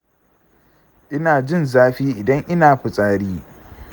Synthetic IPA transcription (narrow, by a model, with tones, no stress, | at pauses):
ʔɪ˦naː˨d͡ʒɪ˦nzaː˦ɸiː˦ʔɪ˨dɐ˦ŋʔɪ˦naː˨ɸʊ˨sʼaː˦ɽiː˦